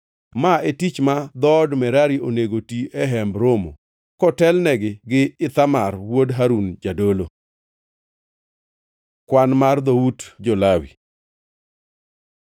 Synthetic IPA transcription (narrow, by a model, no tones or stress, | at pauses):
maetit͡ʃmad̪ɔdmɛɾaɾiʔoneɡotiɛɦɛmbɾomo̰ | kɔtɛlnɛɡɪɡɪɪt̪amarwodɦaɾund͡ʒadolo | kwanmard̪owutd͡ʒolawḭ